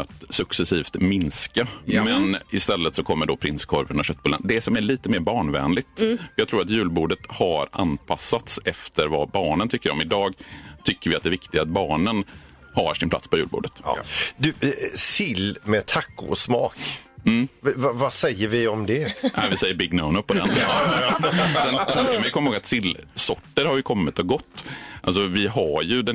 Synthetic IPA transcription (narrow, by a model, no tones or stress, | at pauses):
at̪sɵksɛsiːft̪mɪnskamɛnɪst̪ɛlːət̪sɔkʰɔmːəɖɔpʰɾɪnskʰɔɾvənɔɕœt̪̚ːbuːlə̰nd̪ɛsɔmæɭiːt̪əmeːɾbɑːɳvɛ̰ːnlɪt̪fjɑɡt̪ʰɾuːɾat̪jʉ̟ːlbuːɖət̪haɾʔa̰npʰasːat̪sɛft̪əɾva̰bɑːɳənt̪ʰʏkːəɾɔmɪd̪ɑːɡt̪ʰʏkːəɾvɪat̪d̪ɛɾvɪkt̪ɪɡat̪̚bɑːɳən | haʂɪnpʰla̰t̪spʰɔjʉ̟ːlbṵːɖət̪d̪ʉsɪlmɛt̪ʰakːʊ̰ɔsmɑ̰ːkm̩ːvavasɛjːəɾvɪɔmd̪ɛɛvɪsɛjːəɾbɪɡːnaʊnəpːɔd̪ɛ̰n | sɛnsɛnskamanjɵkɔmːhoːɡat̪sɪlːsɔʈːəɾhaɾjɵkʰɔmːɪt̪ɔɡɔt̪ːʔals̬ɔvɪɦajɵd̪ɛ